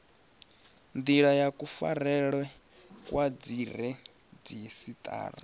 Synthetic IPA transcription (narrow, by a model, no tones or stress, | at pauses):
nd̪iɺajakʼufa̰ɾɛɺwɛ | kwad͡ziɾ̤ɛ | d͡zisit̪ʼa̰ːɾa̰